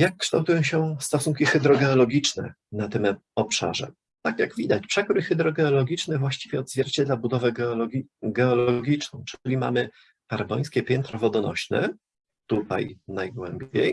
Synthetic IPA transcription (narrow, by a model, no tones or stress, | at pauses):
jakːʂt̪awt̪ujɔ̃w̃ɕɛst̪ɔsuŋkʲixɛd̪ɾɔɡɛɔlɔɡʲit͡ʂnɛ̰ | nat̪ɘm | ɔpʂa̰ʐɛ̰ | t̪akjaɡvʲid̪at͡ɕpʂɛkɾɘxɛd̪ɾɔɡɛɔlɔɡʲit͡ʂnɛvwaɕt͡ɕivʲjɛɔd̪zvʲjɛɾt͡ɕɛd̪labud̪ɔvɛɡlɔɡɛɔlɔɡʲit͡ʂnɔ̰̃w̃ʈ͡ʂlʲima̰mɘ | kaɾbɔj̃skʲɛpʲjɛnt̪ɾɔvɔd̪ɔnɔ̰ɕnɛ̰ | t̪ut̪a̰jnajɡwɛmbʲjḛj